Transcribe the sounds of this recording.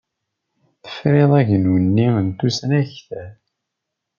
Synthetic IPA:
θə̥fɾeðˤæʝnunːiənt̪usnæçθæθ

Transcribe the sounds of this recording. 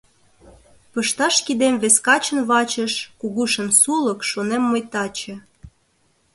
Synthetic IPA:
pɤʃt̪ɑʃkid̪emβeskɑt͡ɕə̆nβɑt͡ɕə̆ʃkuɣuʃə̆nsulɤ̆kʃonemːəjt̪ɑt͡ɕĕ

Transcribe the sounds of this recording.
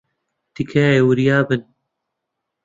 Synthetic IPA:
t̪ikʰaewɨɾjaːbɨn

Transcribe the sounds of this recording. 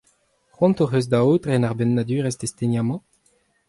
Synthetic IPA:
χwɔ̃nt̪oʁøz̬d̪aot̪ʁɛnaʁbɛnːad̪yːʁɛsd̪est̪enjamɑ̃

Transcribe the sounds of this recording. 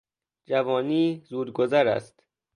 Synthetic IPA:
d͡ʒævɒːniːzuːd̪ɡozæɾæ̰st̪

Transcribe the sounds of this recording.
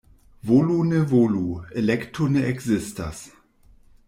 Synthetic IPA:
volunəvoluelɛktʰonəɛkzɪsta̰s

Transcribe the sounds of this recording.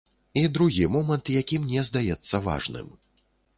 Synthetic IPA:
id̪ɾuɣʲimɔmɐnt̪jakʲimnʲɛzd̪ajɛt̪sːɐva̰ʐnɨ̰m

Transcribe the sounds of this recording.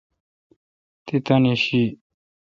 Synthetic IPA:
t̪et̪aneɕi

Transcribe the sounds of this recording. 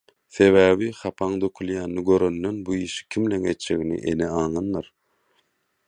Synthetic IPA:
θe̞βæːβiχɑpʰɑŋd̪økʰylˠjæːnːiɡøɾønːønbuiːʃi̥kʲʰimleŋet̪d͡ʒeɣinḭʔḛneɑːŋɯnːɯɾ

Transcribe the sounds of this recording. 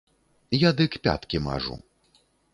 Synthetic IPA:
jad̪ɨkpʲa̰t̪kʲima̰ʐṵ

